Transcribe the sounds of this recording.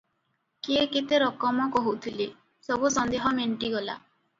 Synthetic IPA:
kiekit̪eɾɔkɔmɔkɔɦut̪ʰili | sɔbusɔnd̪eɦɔmeɳʈiɡɔla̰

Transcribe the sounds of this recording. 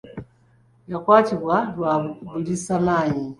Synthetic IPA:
jakwaːciβwalwaβuβiɾisamaːɲi

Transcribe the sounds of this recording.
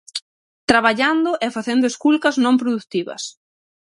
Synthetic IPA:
t̪ɾaβaʎand̪ʊʔɛfaθend̪ʊeskulkɐznõmpɾoðut̪iβɐ̰s

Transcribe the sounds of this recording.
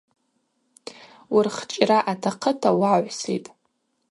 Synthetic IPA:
wʊrχt͡ʃʼraʔatʰaqʰətʰawaʕʷsḭtʼ

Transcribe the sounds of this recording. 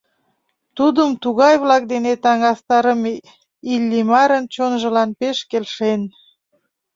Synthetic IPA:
t̪ud̪əmt̪uɣɑjβlɑk̚d̪enet̪ɑŋɑst̪ɑɾəm | ilʲːimɑɾənt͡ɕonʒə̆lɑnpeʃkelʃen

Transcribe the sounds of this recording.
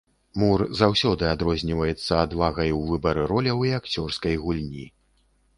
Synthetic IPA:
murzawsʲɔd̪ɨad̪ɾɔzʲnʲivɐjɛt̪sːɐad̪vaɣɐjwvɨbɐɾɨɾɔlʲɐwiakt͡sʲɔrskɐjɣulʲnʲḭ

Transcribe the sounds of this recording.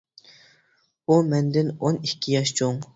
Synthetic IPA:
umɛnd̪ɪnonikʲʰːijɑʃt͡ʃʰoŋ

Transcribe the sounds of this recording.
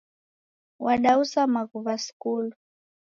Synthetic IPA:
wʔaɗausamaɣuvasi̥kulu

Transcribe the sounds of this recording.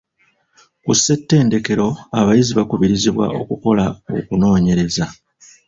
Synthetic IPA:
kusːe̞tːe̞ːnde̞ke̞ɾo̞aβajiziβakuβiɾiziβwa̰o̞̰kuko̞lao̞̰kuno̞ːɲe̞ɾe̞za

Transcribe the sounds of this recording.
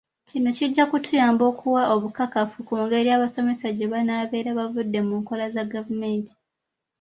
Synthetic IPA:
cino̞ciɟːakutʰujaːmbo̞ːkʰuwaʔo̞βukakafukuːŋɡe̞ɾiaːβaso̞me̞saɟe̞βanaːβe̞ːɾaβavudːe̞muːŋko̞lazaɡavume̞ːntʰi̥

